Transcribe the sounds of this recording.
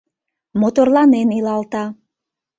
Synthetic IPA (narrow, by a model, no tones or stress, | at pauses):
mot̪orlɑnenilɑlt̪ɑ